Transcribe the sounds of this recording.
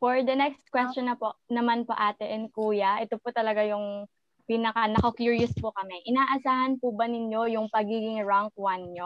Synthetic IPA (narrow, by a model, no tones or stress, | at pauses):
foɹd̪ɐnɛkst̪̚kwɛst͡ʃɔnɐpoʔnɐmanpo̰ʔaːt̪ɛʔɛnkuːjɐʔɛt̪opʊt̪ɐlɐɡajʊŋ | pinɐkɐnɐkɐkjuɹjʊspʊkɐmɛʔɪnaːʔɐsaːhɐnpʊbɐnɪɲo̞jʊŋpɐɡiːɡɪŋɹaŋk̚wanɲo